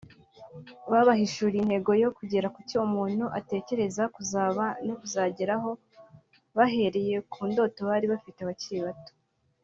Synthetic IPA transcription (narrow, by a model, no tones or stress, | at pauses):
βaβaɦiʃuɾin̥he̞ɡo̞jo̞kuɟeɾakutiumuːn̥huʔate̞ːce̞ɾe̞zakuzaːβanokuzaːɟeɾaɦo̞ | βaɦe̞ɾe̞je̞kʰuːndo̞to̞βaɾiβafiteaβaciiβato̥